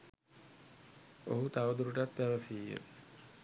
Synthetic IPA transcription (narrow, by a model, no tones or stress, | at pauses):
o̰ɦut̪aʋəd̪uɾuʈat̪̚bæʋəsiːjə̰